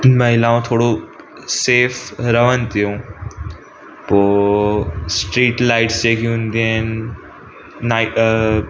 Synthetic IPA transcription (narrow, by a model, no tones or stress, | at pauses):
nmɐɦɪlaːõt̪ʰoːɽo | seːfɾəʋənt̪ijõ | poː | sʈɾiːʈlaːɪʈsd͡ʑekiũnd̪ien | aɪ